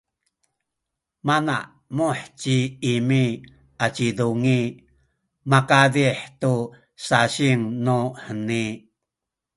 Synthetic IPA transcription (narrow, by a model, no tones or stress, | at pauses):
mana̰ʔ | muħt͡ɕiimi | ʔat͡ʃiduŋi | makadiħtu | saɕiŋnuħəni